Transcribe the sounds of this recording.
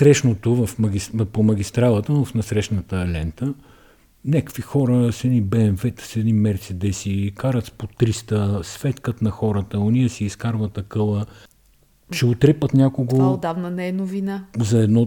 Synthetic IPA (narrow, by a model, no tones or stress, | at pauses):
sɾɛʃnot̪ovɐfmɐɡʲispomɐɡ̟ʲist̪ɾalˠət̪əvɐfnɐsɾɛʃnət̪əlɛnt̪ə | nʲakkvixɔɾəsɛnibɛɛmvɛt̪ə̥sɛd̪nimɛɾt̪sid̪ɛsikaɾət̪spot̪ɾist̪əsfɛt̪kət̪nɐxɔɾət̪əonijəsiːskaɾvɐt̪ɐkɤlˠə | ʃɛot̪ɾɛpət̪nʲakoɡvood̪avnənɛɛnovinazɐɛd̪nɔ